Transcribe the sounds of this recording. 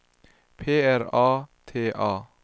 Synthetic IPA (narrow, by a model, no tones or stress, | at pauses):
pʰeːæɾɑːt̪ʰeːʔɑː